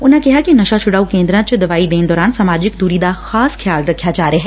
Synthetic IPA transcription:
ʊnɦẽkɛɦakinɐʃat͡ʃʰʊɽaːukẽːnd̪ɾãt͡ʃəd̪ɐʋaːid̪eːned̪ɔːɾaːnsaːmaːd͡ʒɪkd̪uːɾid̪axaːskʰjaːlɾɐkʰːjad͡ʒaːɾeɦɛː

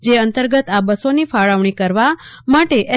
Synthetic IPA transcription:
d͡ʒeənt̪əɾɡət̪abəsonifaɭəʋɳ̃ikəɾʋa | maʈeʔɛ

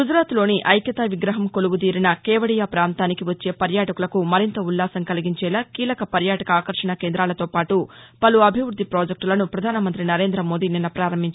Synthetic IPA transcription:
ɡud͡ʒɾaːt̪lo̞ːniʔʔɐjkjɐt̪aːʋiɡɾɐɦɐmkoluɡud̪̬iːɾinɐkɛːʋɐɽijaːpɾaːnt̪aːnikiʋɐt͡ʃːe̞ːpɐɾjaːʈɐkulɐkumɐɾint̪ɐulːaːsɐŋkɐliɡiɲt͡ʃɛːlaːkiːlɐkɐpɐɾjaːʈɐkɐaːkɐɾʂɐnɐkeːnd̪ɾaːlɐt̪o̞ːpaːʈupɐluɐbʱiʋɾud̪ʱːipɾoːd͡ʒek̚ʈlɐnupɾɐd̪ʱaːnɐmɐnt̪ɾinɐɾe̞ːnd̪ɾɐmo̞ːd̪iːninːɐpɾaːɾɐmːiɲt͡ʃː

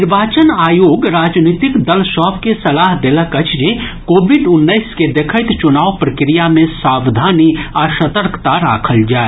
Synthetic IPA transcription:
ɪɾʋaːt͡ʃənaːjoːɡɾaːd͡ʒniːt̪ɪkd̪ɐlʃɔːpkesɐlaːɦd̪eləkət͡ʃʰd͡ʒekoːbɪɖʊnːəɪsked̪ekʰət̪t͡ʃʊnaːʋpɾɐkɾijamẽsaːwd̪ʱaːniaːʃət̪əɾkt̪aɾa̰ːkʰəld͡ʒaːe

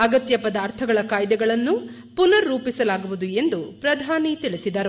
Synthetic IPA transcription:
ɐɡɐt̪jɐpɐd̪aːɾt̪ʰɐɡɐɭɐkaːjd̪ɛɡɐɭɐnːu | punɐɾːuːpisɐlaːɡuʋud̪ue̞nd̪upɾɐd̪ʱaːnit̪iɭisid̪ɐɾu

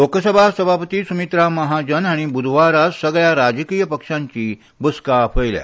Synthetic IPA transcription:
lokəsəbʱasəbʱapət̪iːsumit̪ɾaməɦad͡ʑənaɽ̃ibud̪ʱʋaɾasəɡɭjaɾad͡zəkiːjəpəkʂãɲt͡ɕiː | buskapʰəjlja̰

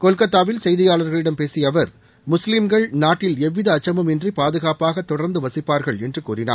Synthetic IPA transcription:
kɔlkɐt̪ːaːʋɪlsɛjðɪjaːlɐɾɣɐɭɪɽɐmpeːsɪjɐʋɐɾ | mʊslɪmɡɐɭnaːʈːɪlɛʋːɪðɐːt͡ʃːɐmɯmɛndripaːðɯɣaːpaːɣɐt̪ːɔɽɐɾnd̪ɯʋɐsɪpːaːɾɣɐɭɛndrɯkuːrɪna̰ː

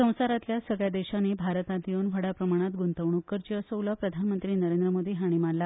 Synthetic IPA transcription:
ə̃w̃saɾat̪ljasəɡɭjad̪eɕanebʱaɾət̪ãnt̪ionʋ̤ʱəɽapɾəmaɽ̃at̪ɡunt̪əʋɳukːəɾt͡ɕəsəwlapɾəd̪ʱanmənt̪ɾiːnəɾend̪ɾəmod̪iːɦaɽ̃iːmaɽla

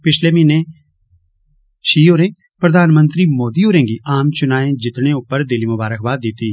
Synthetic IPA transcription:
pɪʃlemine | ʃiːoːɾẽː | pɾɐd̪ʱaːnmə̃nt̪ɾimoːd̪ioːɾẽːɡiaːmt͡ʃʊnaːẽd͡ʒɪt̪neʊpəɾd̪ɪlimʊbaːɾəkbaːd̪ɪːt̪i

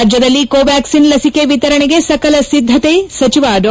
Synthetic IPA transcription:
d͡ʒjɐd̪ɐlːikoːʋaːksinlɐsikeʋit̪ɐɾɐɳeɡe̞sɐkɐlɐsid̪ʱːɐt̪esɐt͡ʃiʋaːɖɔ

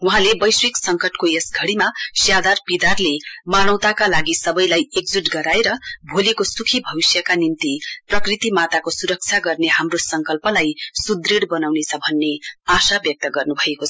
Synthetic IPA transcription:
wuɦãlebʌjswiksʌŋkʌʈkojesɡʱʌɽimasjad̪arpid̪arlemaɽ̃ʌw̃t̪akalaɡisʌbʌjlajeɡd͡ziʈɡʌɾaeɾʌbʱolekosukʰibʱʌbisjʌkanimt̪iprʌkrit̪imat̪akosuɾʌk̚t͡sʰaɡʌrnehamrosʌŋkʌlpʌlajsud̪riɽbʌnawnet͡sʰʌbʱʌnːeasabjʌk̚t̪ʌɡʌrnubʱʌekot͡sʰʌ

